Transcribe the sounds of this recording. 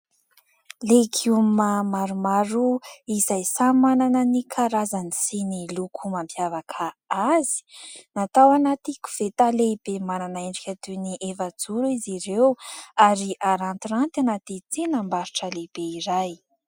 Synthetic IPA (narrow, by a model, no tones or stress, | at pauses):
lekʰiumamaɾumaɾuizajsamananənikʰaɾazanisinilukʰumampjavakʰaazi̥nat̪awanat̪iku̥v̥et̪aleib̥emananaeɳɖ͡ʐikʲat̪uniʔevad͡zuɾiziɾewaɾiʔaɾant̪irant̪anat̪it͡sinambaɾiʈ͡ʂəleb̥eiɾaj